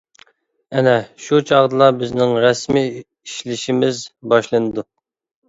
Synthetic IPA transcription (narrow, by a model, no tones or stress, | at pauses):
ɛnɛʃut͡ʃʰɑʁd̪ɨlˠɑbɪznɪŋɾɛsmi | iʃlɪʃimɪzbɑʃlˠɨnɨd̪u